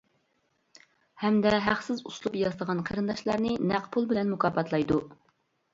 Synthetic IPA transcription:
hɛmd̪ɛɦæχsɪzuslˠupjɑzt̪ˠəʁɑnqʰəɾɨnd̪ɑʃlˠɑɾnɨnæqpʰulˠbɪlɛnmukɑːpɑt̪ʰlˠɑjd̪u

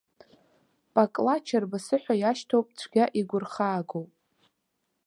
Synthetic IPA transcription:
pʼakʼlat͡ʃʰarbasɨħʷᶣajaʃtʰowpʼt͡ɕʷʰɡʲaʔiɡʷʊrχaːɡowpʼ

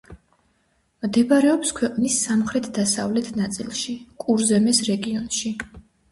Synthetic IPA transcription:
md̪ɛbaɾɛɔpskʰwɛqʼnisːamχɾɛt̪ʰd̪asa̰vlɛt̪ʰnat̪sʼḭlˠʃikʼuɾzɛmɛsɾɛɡiɔnʃi

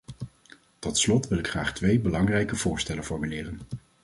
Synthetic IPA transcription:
tɔtslɔtʋɪlɪkχra̰ːχtʋejbəlɑŋrɛjkəvʊːɹstɛlənfɔɹmylɪːrən

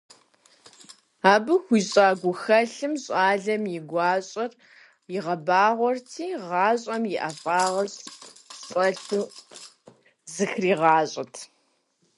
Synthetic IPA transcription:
aːbɨxʷiːɕʼaːɡʷʊxɐɬɨmɕʼaːɮɐmjɪɡʷɑːɕʼɐr | jɪʁɐbaːʁʷɔrtʰiːʁɑːɕʼɐmjɪʔɐfʼaːʁɐɕɕʼɐɬu | zɨxriːʁɑːɕʼɐtʰ

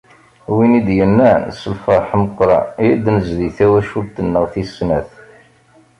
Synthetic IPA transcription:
winid̪jənːænsəlfɑɾˤħməqːɾˤɑ̰id̪nəzðiθæwæʃult̪ənːəʁθisnæθ

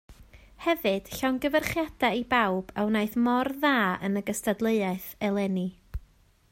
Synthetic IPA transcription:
hɛvɨd̥ɬanɡəvərχjad̥aibawb̥awnajθmɔrðaːə̰nəɡəstadlˠəɨaɨθɛlˠɛni

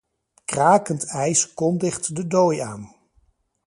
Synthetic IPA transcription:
kraːkəntɛjskɔndɪχtdədoja̰ːn

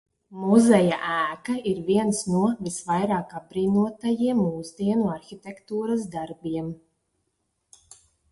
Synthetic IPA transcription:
muzɛja̰ʔæːkaiɾviɛnsnuɔvisvajɾaːkab̚bɾiːnuɔt̪ajiɛmuːzd̪iɛnuaɾxʲit̪ʲekt̪uːɾasd̪aɾbiɛm

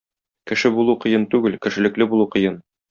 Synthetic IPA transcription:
kɘ̆ʃɘbulˠuqɤ̆jɤnt̪ʉɡɘlkɘ̆ʃɘ̆lɘ̆klɘbulˠuqɤ̆jɤn

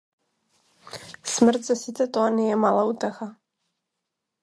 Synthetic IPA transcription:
smr̩t̪zɛsit̪t͡s̪ɛt̪oanɛjɛmalauːt̪ɛxa

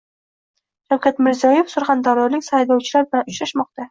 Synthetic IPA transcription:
ʃawkʰʲat̪mɪɾzijɒjefsʊɾχand̪aɾlɒɾlɪkʲsajlɒwt͡ʃʰɪlaɾbɪlanʊt͡ʃɾaʃmɒq̚t̪a

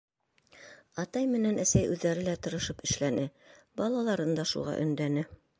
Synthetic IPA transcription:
ɑt̪ɑjmɘ̆nænæsæjʔʉðːæɾɘlæt̪ɤ̆ɾɤ̆ʃɤpɘ̆ʃlænɘbɑlˠɑlˠɑɾɤnd̪ɑʃṵʁɑ̰ʔɵ̆nd̪ænɘ

